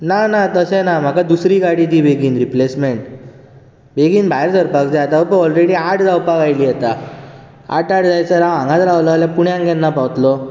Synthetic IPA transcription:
nanat̪əsenam̤akad̪usɾiːɡaɽiːt̪iːbʱeɡiːnɾiplesmeɳʈ | beɡiːnbʱaeɾd͡zəɾpakd͡zaat̪awpaɔlɾeɽiːaʈd͡zawpakajliːət̪a | a̰ʈaʈd͡zajt͡səɾããŋɡãt̪ɾaʋləaljãpuɳjãŋɡɛnːapawt̪lɔ

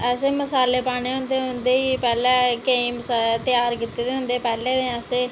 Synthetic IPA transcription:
ɛːseːməsaːleːpaːɽ̃eːɦʊ̃nd̪eːɦʊnd̪eːiːpɛːlɛ̃ːkeĩːmst̪ɪjaːɾkit̪ːeːd̪eːɦʊ̃nd̪eːpɛːleːd̪ẽːɛseː

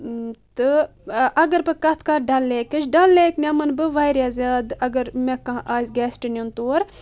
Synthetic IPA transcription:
t̪ɨ | ɐɡɐɾpɨkɐt̪ʰkɐɾɖɐlːeːkɐt͡ʃʰɖɐlːeːknʲɐmɐnbɨʋɐjɾjaːzʲjaːd̪ɐɡɐɾmekãʔaːzʲɡɛːsʈinʲunt̪oːɾ

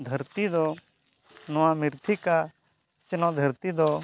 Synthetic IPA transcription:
d̪ʱəɾt̪id̪ɔ | nɔwamiɾt̪ʰika | t͡ʃənɔ̃d̪ʱəɾt̪id̪ɔ

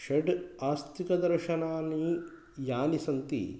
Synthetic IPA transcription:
ʃɐɖaːst̪ikɐd̪ɐɾʃɐnaːnːi | jaːnisɐnt̪ḭ

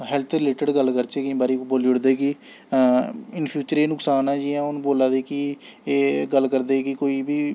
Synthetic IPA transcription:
ɦɛlt̪ʰɾɪleːʈəɖɡəlkəɾt͡ʃeːkɪĩːbaːɾiːboːlʊɽd̪eːkɪ | ɪnpʰjuːt͡ʃəɾeːnʊksaːnãːd͡ʒiːɛ̃ːʊñːboːlaːd̪eːkɪeːɡəlkəɾd̪eːkɪkoːiːbiː

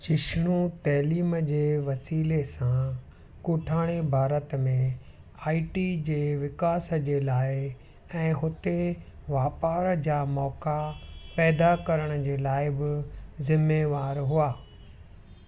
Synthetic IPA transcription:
t͡ɕɪʃɪɽ̃ũt̪ɛːliːməd͡ʑeːʋɐsiːlesã | kʊʈʰaːɽ̃ebʱaːɾət̪mẽ | aːiʈid͡ʑeːʋɪkaːsə̆d͡ʑeːlaːɪ | ɛ̃ːɦʊt̪eʋaːpaːɾd͡ʑaːmɔːkapɛːd̪akɐɾəɽ̃ə̆d͡ʑeːlaːɪbɪzɪmeːʋaːɾɦuaː

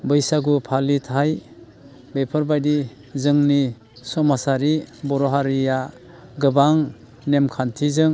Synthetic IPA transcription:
bɯjsaɡupʰalitʰaj | bepʰɯɾbajdi | zɯŋni | sɔmasaɾibɔɾɔɦaɾija | ɡɯbaŋ | nemkʰantʰizɯŋ

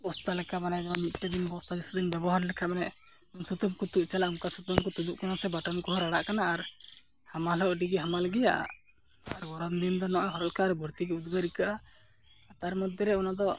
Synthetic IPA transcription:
ɔst̪alɛkʰamanɛd̪ɔŋmit̪̚ˀʈad̪inbɔst̪ʰabisud̪inbɛbɔɦaɾlɛkʰamanɛʔ | unsut̪umkut̪uʔt͡ʃalaumkasut̪ɔmkɔt̪ud͡ʒuʔkanasɛbaʈɔnkɔɦɔɾaɽaʔkanaːɾ | hamalɔʔɖiɡɛɦamaləɡɛjaʔa̰ | aɾɡɔɾand̪ind̪ɔnɔʔaɦɔɾɔlkaɾbʱɔɾt̪iɡɛud̪ɡaɾikaʔa | t̪aɾmɔd̪ʱjɔɾɛunad̪ɔ

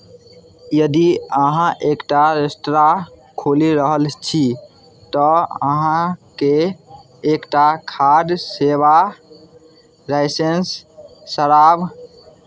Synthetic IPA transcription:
jəd̪iəɦãʔekʈaɾesʈɾa | kʰoliɾəɦəlt͡ʃʰi | t̪ɔə̰ɦãkeː | kʈakʰaɖseba | ɾaɪsensː | əɾab

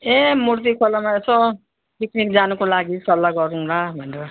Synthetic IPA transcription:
emurt̪̬ikʰolamaesʌ | piknikd͡zanukolaɡisʌlːaɡʌɾũɾabʱʌneɾʌ

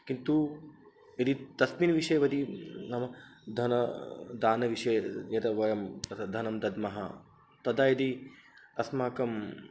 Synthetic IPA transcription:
kint̪u | id̪it̪ɐsmiːnʋiʂɐjɐʋɐd̪inɐmɐd̪ʱɐnɐd̪aːnɐʋiʂɐjɐjɐd̪ɐʋɐjɐmɐd̪ʱɐnɐmd̪ɐd̪mɐɦɐ̰ | t̪ɐd̪aːjɐd̪it̪ɐsmaːkɐm

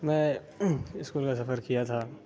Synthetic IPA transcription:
mɛ̃ː | ɪskuːlkasɐfəɾkijat̪ʰaː

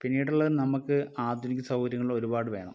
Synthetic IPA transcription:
pinːijiʈuɭːɐðnɐmukːɨaːd̪ʱunikʲːɐsɐwɡɐɾjɐŋːɐɭiɭo̞ɾubaːɽɨʋe̞ːɳɐ̰m

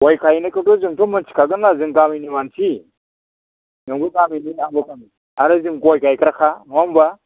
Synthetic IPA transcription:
wajkajinakitoziŋtomant͡ʃi̥kaɡənaziŋkaminimant͡ʃi | naŋɡukaminiaŋbakami | aɾaziŋkuwajkaikɾxamamba

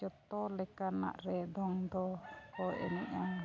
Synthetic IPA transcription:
d͡ʒɔt̪ɔlɛkana̰ʔɾɛd̪ɔŋd̪ɔkɔʔɛ̰niɲaŋ

